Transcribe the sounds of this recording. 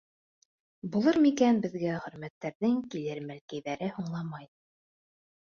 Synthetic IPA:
bulˠɤɾmikænbɘ̆ðɡæχɵ̆ɾmæt̪ːæɾðɘŋkilɘɾmælkæjðæɾɘhuɴlˠɑmɑj

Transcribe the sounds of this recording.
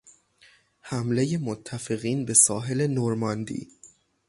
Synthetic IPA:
hæmle̞je̞mot̪ʰːæfe̞ɣiːnbe̞sɒːɦe̞le̞noɾmɒnd̪ḭː

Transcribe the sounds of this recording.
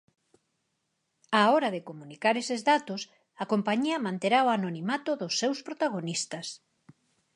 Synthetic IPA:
aɔɾɐðekomunikaɾesezðat̪os | ɐkompaɲiɐmãnt̪eɾaoanonimat̪ʊðʊsːewspɾot̪aɣ̞onist̪ɐs

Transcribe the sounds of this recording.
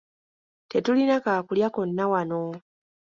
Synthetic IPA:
tetulinakaːkuljakonːawano

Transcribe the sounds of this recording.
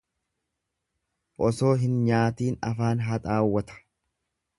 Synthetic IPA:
ʔɔso̞ːɦɪnɲaːt̪iːnɐfaːnɦɐt̪ʼaːwːɐt̪ɐ̥

